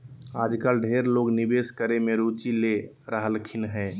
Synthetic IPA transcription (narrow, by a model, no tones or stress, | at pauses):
aːd͡ʒkəlɖʱeɾloːɡnibeːskəɾemẽɾut͡ʃile | ɾəɦəlkʰɪnɦɛː